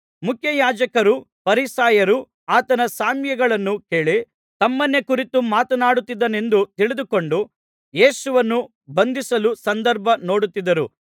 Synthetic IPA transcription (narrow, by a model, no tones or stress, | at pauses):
mukʰjɐjaːd͡ʒɐkɐɾu | pɐɾisaːjɐɾu | aːt̪ɐnɐsaːmjɐɡɐɭɐnːuke̞ːɭi | t̪ɐmːɐnːekuɾit̪umaːt̪ɐnaːɽut̪ːid̪ːɐne̞nd̪ut̪iɭid̪uko̞ɳɖu | je̞ːsuʋɐnːu | bɐnd̪isɐlusɐnd̪ɐɾbʱɐno̞ːɽut̪ːid̪ɐɾu